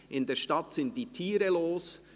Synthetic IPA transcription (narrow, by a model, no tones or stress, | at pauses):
ʔɪndeːʃtɑtsɪnt̚d̥iːtʰiːɾəloːs